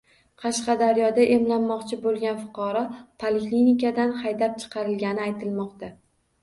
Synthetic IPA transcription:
qʰɑʃqɑd̪aɾjɒd̪aʔemlanːɒqt͡ʃʰɪbolˠɡʲanfʊ̥qʰɒɾɒpʰaleklinikʲad̪anhajd̪ap̚t͡ʃʰɨ̥qʰɑɾɪlɡʲanɪajt̪ʰɪlmɒqt̪a

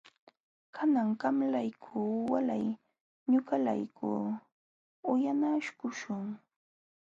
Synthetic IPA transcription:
kʰanaŋɢɑmlajkʰuːwalaj | ɲʊkala̰jkʰuː | ʊjanaʃkʊʃʊŋ

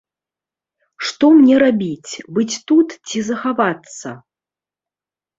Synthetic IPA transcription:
ʂt̪ɔmnʲɛɾabʲit͡sʲbɨt͡sʲt̪ut̪t͡sʲizɐxavat̪sːɐ̰

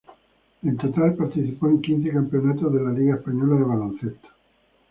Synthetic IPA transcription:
ent̪ot̪alpaɾt̪iθipoeŋkin̟θekampeo̞nat̪ozðelaliɣaespaɲolaðeβalõn̟θet̪ḁ

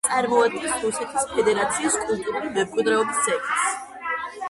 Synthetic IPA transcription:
t̪sʼaɾmɔad̪̚ɡɛsɾusɛt̪ʰispʰɛd̪ɛɾat̪sʰiːskʼulˠt̪ʼuɾulimɛmkʼwid̪ɾɛɔbist̪sʰɛk̪s

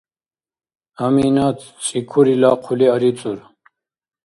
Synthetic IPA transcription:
amiːnat͡st͡sʼikʰuɾilaːqʰuliaɾit͡sʼuɾ

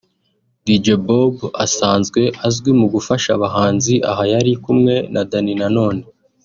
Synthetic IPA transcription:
did͡ʒebobasaːnzɡwe̞ʔazɡwimuɡufaʃaβaɦaːnziʔa̰ɦajaɾikumŋe̞nʔadaninano̞ːne

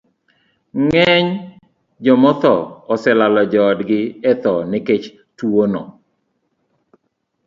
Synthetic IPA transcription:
ŋɛɲ | d͡ʒɔmɔt̪ɔːsɛlalɔd͡ʒɔdɡɪɛt̪ɔnɪket͡ʃ | tuonɔ̰

